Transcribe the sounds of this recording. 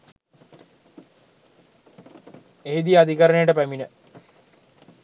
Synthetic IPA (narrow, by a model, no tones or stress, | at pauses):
eːid̪ijad̪ikaɾənejəʈəpæminə